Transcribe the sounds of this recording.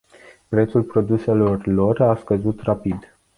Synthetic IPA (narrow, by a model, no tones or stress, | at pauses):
pɾe̞t̪sulpɾo̞d̪use̞lo̞rlo̞raskəzut̪rapid̪